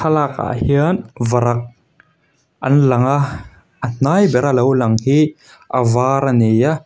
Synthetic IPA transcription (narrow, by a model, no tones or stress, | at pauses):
alaka̰hiənvɐɾak̚ | ʔɐ̰nlɐŋa | ən̥ajbɛɾalowlɐŋhi | ʔavaɾaneja